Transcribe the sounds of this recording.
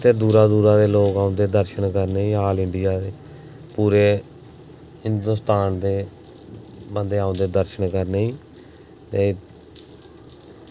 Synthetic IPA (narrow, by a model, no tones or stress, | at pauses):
t̪ʰeːd̪uːɾaːd̪uːɾaːd̪eːloːkaːʊ̃nd̪eːd̪əɾʃəɳkəɾneːiːɦaːlɪɳɖɪjaːd̪eː | puːɾeː | hɪnd̪ʊːst̪aːnd̪eː | bənd̪eːaːʊ̃nd̪eːd̪əɾʃəɳkəɾneːiː | t̪eː